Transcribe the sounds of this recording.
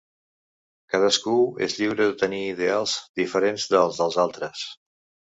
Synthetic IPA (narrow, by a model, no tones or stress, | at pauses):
kað̞əskuḛzʎiwɾəðət̪əniːðealˠzðifəɾenzðəlˠzðəlˠzalˠt̪ɾəs